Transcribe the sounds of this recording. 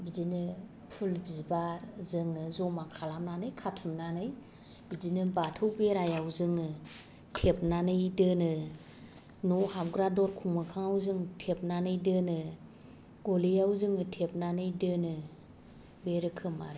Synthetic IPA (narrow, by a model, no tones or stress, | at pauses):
bizinɯ | pʰulbizbaɾzɯŋɯzɔmakʰalamnanɯjkʰatʰumnanɯj | bizinɯbatʰɯwbeɾajawzɯŋɯ | tʰep̚nanɯjdɯnɯ | nɔhap̚ɡɾadɔɾkʰuŋmɯkʰaŋawzɯŋtʰep̚nanɯjdɯnɯ | ɡ̥ɔlejawzɯŋɯtʰep̚nanɯjdɯnɯ | beɾɯkʰɯma̰ɾe